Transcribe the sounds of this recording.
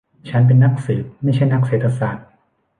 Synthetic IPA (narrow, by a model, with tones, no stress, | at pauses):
t͡ɕʰa˦˥np̬e˧nːa˦˥k̚sɯː˩˦p̚ma˥˩jt͡ɕʰa˥˩jna˦˥k̚seː˨˩t̪ʰːa˧saː˨˩t̪̚